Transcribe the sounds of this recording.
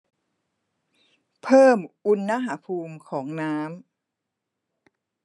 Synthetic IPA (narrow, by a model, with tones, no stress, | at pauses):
pʰɤː˥˩mʔu˧nːa˦˥ɦaː˩˦pʰuː˧mkʰɔː˩˦ŋnaː˦˥m